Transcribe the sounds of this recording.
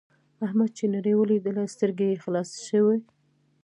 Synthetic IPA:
ahmad̪̚t͡ʃenaɾəjwəlid̪əlast̪əɾɡejexlɑsʃəwe

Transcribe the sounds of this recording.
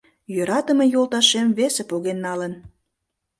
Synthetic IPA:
jøɾɑt̪əme̽jolt̪ɑʃemvesepoɣenːɑlən

